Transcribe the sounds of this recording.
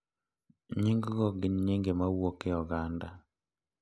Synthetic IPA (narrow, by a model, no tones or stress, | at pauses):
ɲiŋɡɡɔɡɪɲɲiŋɡemawokejɔɡanda